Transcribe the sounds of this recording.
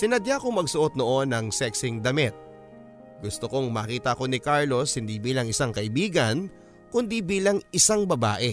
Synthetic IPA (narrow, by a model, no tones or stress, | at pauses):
sɪnɐd̪jakoŋmɐɡsʊʔot̪̚noʔo̞nːɐŋsɛksɪŋd̪ɐmɛt̪̚ | ɡʊst̪oko̞ŋmɐːkiːt̪ɐɐko̞nɪkaɹlo̞shɪnd̪ibiːlɐŋɪsaŋkɐʔɪbiːɡɐn | kʊnd̪ibiːlɐŋɪsaŋbɐba̰ːʔɛ